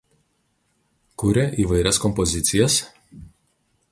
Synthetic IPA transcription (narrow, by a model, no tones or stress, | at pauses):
kʊɾʲɛʔiːˑʋɐɪɾʲɛskɔmpɔzʲɪt̪sʲɪjɛs